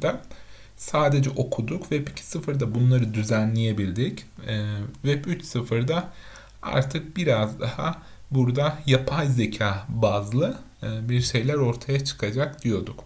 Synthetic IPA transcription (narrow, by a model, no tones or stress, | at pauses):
d̪a | saːd̪e̞d͡ʒɛʔo̞kʰud̪ukvɛpi̥cʰi̥sɯfɯɾd̪abunlˠaɾɯd̪yzænlʲeje̞bilʲd̪icː | vɛpyt͡ʃsɯfɯɾd̪a | a̰ɾt̪ʰɯk̚biɾazd̪aha̰ | buɾd̪ajapʰajze̞cʰaːbazlˠɯ | biɾʃe̞jlʲæɾo̞ɾt̪ʰajat͡ʃʰɯ̥kʰad͡ʒakd̪ijo̞d̪uk